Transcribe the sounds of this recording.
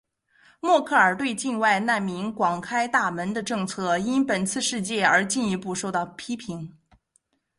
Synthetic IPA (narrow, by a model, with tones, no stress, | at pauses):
mwɔ˥˧kʰɤ˥˩ə˞˨˩t̪we˥˧ɪt͡ɕi˥˧nwa˥˧ɪna˥˩nmi˧˥ŋkwɑ˨˩ŋkʰa˥ɪt̪a˥˩mə˧˥nd̪ə˧ʈ͡ʂɤ˥˧ŋt͡sʰɤ˥˩i˥npə˨˩nt͡sʰɹ̩˥˧ʂɻ̩˥˧t͡ɕjɛ˥˩ə˞˧˥t͡ɕi˥˩ni˧˥pu˥˧ʂo˥˧ʊt̪ɑ˥˩ʊpʰi˥pʰi˧˥ŋ